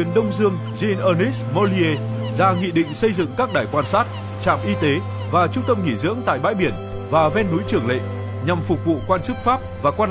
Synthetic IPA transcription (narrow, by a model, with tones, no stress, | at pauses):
i˨˦ənɗə˧wŋ͡mzɨ˧əŋ | zi˧nʔəː˧ni˦˥smo˧li˧e˧zaː˧ŋḭ˧˨ɗḭ̈˧˨ŋ̟sə˧jzɨ̰˧˨ŋkaː˦˥k̚ɗaː˧˩jkwaː˧nsaː˦˥t̚ | t͡ɕa̰ː˧˨mʔi˧t̪e˨˦ | vaː˨˩t͡ɕʊ˧ŋ͡mt̪ə˧mŋi˧˩zɨ̰˧˥əŋt̪a̰ː˧˨jɓa̰ː˧˥jɓi˧˩ən | vaː˨˩vɛ˧nːu˨˦jt͡ɕɨ˧˩əŋlḛ˧˨ | ɲa˨˩mfʊ˨˩k͡p̚vṵ˧˨kwaː˧nt͡ɕɨ˦˥k̚faː˦˥p̚vaː˨˩kwaː˧